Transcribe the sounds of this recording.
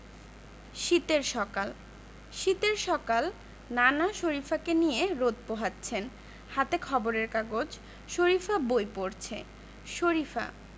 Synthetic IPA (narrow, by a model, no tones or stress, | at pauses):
ʃit̪eɾʃɔkal | ʃit̪eɾʃɔkal | nanaʃoɾifakenijeɾod̪̚poɦatːɕʰen | hat̪ekʰɔboɾeɾkaɡod͡ʑ | ʃoɾifabojpoɾt͡ɕʰe | ʃoɾifa̰